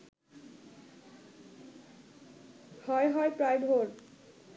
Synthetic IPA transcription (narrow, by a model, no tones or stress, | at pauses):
hɔejɦɔepɾajbʱoɾ